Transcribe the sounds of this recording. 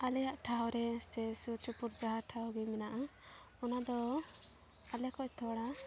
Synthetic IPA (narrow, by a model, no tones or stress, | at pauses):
alɛjaʔʈʰaɦɔɾɛsɛsut͡ʃupuɾd͡ʒaɦaɾʈʰaɔɡɛmɛnaʔa | ɔnad̪ɔ | alɛkɔc̚t̪ʰɔɽa